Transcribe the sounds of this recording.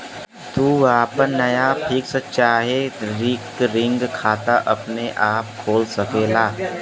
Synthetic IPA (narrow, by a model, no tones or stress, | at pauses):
t̪uːaːpəɾnɐjapʰiːksətt͡ʃaːɦeɾɪkɾɪ̃ŋɡkʰaːt̪aʔɐpneʔaːp̚kʰoːlsɐkeːlaː